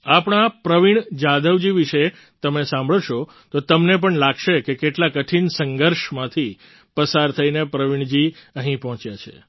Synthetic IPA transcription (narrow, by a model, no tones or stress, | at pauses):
apɳ̃apɾəʋiɳ̃d͡ʒad̪əʋd͡ʒiʋiʃe | t̪əmesãmbʱɭəʃo | t̪ot̪əmnep̬əɳlaɡʃekekeʈlakəʈʰinsəŋɡəɾʃmãt̪ʰi | pəsaɾt̪ʰəinepɾəʋiɳ̃d͡ʒiəɦĩpəɦɔ̃t͡ʃjat͡ʃʰḛ